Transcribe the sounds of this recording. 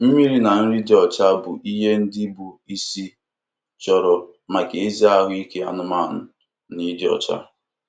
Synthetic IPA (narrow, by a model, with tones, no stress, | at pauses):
m̩˦mi˦ɾi˦na˨n̩˦ɾi˦de˦ɔ˨t͡ʃa˦bʊ˨ʔi˦ɦe˦n̩˦dɪ˦bu˨i˦si˦ | t͡ʃɔ˨ɾɔ˨ | ma˨ke˨e˦zi˦a˦˨wʷi˦ke˦a˨nʊ˦ma˦˨n̩˨ | ni˦dɔ̰˨t͡ʃa̰˦